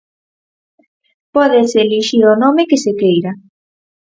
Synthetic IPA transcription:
pɔðeseliʃiɾonomɪkɪsekejɾa

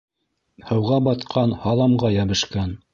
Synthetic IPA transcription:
hɤ̆wʁɑbɑt̪qʰɑnhɑlˠɑmʁɑjæβɘ̆ʃkæn

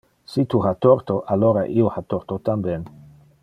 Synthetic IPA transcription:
sit̪uɦat̪oɾt̪oʔaloɾaʔiohat̪oɾt̪ot̪ambjen

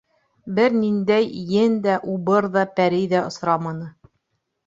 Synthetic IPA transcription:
bɘɾnind̪æjjɘnd̪æʔubɤɾðɑpæɾɘjðæŏsɾɑmɑnɤ

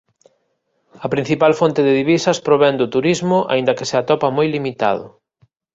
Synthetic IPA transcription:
ɐpɾĩn̟θipalfont̪eðɪðiβisɐspɾoβɛnd̪ʊt̪uɾizmʊʔa̰ind̪ɐkɪ̥seat̪ɔpɐmojlimit̪a̰ðʊ̰

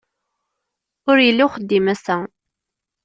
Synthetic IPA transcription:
ʊɾjəlːiwχəd̪ːimæsæ

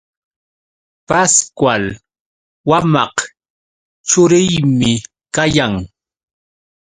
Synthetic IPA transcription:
paskwal | wamɑq | t͡ʃʊɾɪjmɪ | kajaŋ

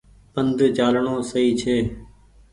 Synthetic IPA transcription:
pənd̪t͡ʃaːlɳõːsəiːt͡ʃʰeː

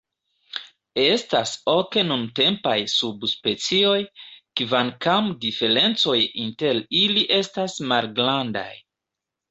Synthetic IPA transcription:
e̞stasoke̞nunte̞mpajsubspe̞t͡sio̞jkvankamdife̞ɾe̞nt͡so̞jinte̞liliʔe̞stasmalɡɾanda̰j

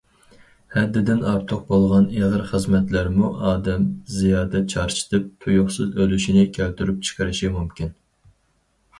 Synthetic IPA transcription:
hɛd̪ːɪd̪ɪnɑɾt̪ʰʊq̚bolˠʁɑneʁəɾχəzmɛt̪læɾmuʔɑːd̪ɛmzijɑːd̪ɛt͡ʃʰɑɾt͡ʃʰi̥t̪ʰɨp̚t̪ʰujʊχsɨzølyʃinɪkʲʰæwt̪ʰyɾyp̚t͡ʃʰə̥qʰəɾɨʃimumkʲin

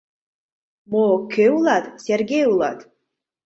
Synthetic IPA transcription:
mokʲʰeulatʼsʲerɡʲejulˠa̰tʼ

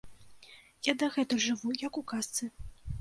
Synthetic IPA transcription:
jad̪ɐɣɛt̪ɨʐɨvujɐkukast̪sɨ

